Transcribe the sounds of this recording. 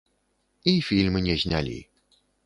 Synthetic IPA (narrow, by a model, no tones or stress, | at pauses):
ifʲilʲmɨnʲɛzʲnʲa̰lʲḭ